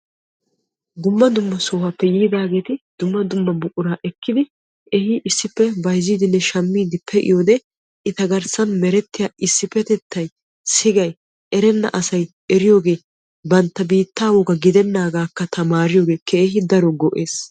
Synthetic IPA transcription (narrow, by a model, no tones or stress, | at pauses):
ɡʊmːɐd̪ʊmːɐsoːhɐpːɛjiːd̪aːɡe̞ːt̪ɪd̪ʊmːɐd̪ʊmːɐbʊʔʊɾaːʔɛkːɪd̪ɪ | ʔɛhɪʔɪsːɪpːɛbɐjziːd̪ɪnːɛʃɐmːiːd̪ɪpʰːɛʔɪ̰joːd̪ɛ | ɪt̪ɐɡɐɾsɐnmɛɾɛt̪ːɪjaːʔɪsːɪpːɛt̪ɛt̪ʰːɐj | sɪɡɐj | ʔɛɾɛnːɐ̰ʔɐsɐj | ʔɛɾɪjo̞ːɡe̞ː | bɐnt̪ːɐbiːt̪ːaːwɔɡɐɡɪd̪ɛnːaːɡaːkːɐt̪ʰɐmaːɾɪjoːɡe̞ːkʰɛːɦɪd̪ɐɾɔɡɔʔe̞ːs